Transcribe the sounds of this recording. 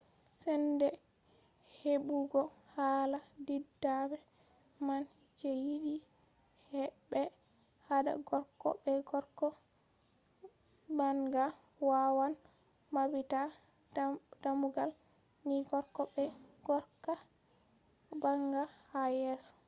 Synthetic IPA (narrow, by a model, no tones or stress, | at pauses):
sɛndɛ | hebuɡɔhaladidːabɛ | man | d͡ʒejiɗi | hɛɓɛ | hada̰ɡɔɾkːɔ̰bɛɡɔɾkɔ | baŋɡa | wawan | mabita | damuɡal | niɡɔɾkɔbɛɡ̥ɔɾka | baŋɡahajɛsɔ̥